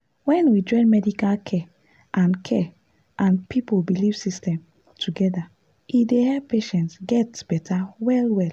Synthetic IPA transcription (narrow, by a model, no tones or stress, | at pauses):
wɛ̃nwid͡ʒɔ̃ɪ̃nmɛdikalkʰɛ | ʔãnkʰɛ | ʔãnpipobiliv̥sistɛ̃m | tʰuɡɛda | idehɛpeʃɛ̃ntsɡɛtb̥ɛtʰawɛlwɛl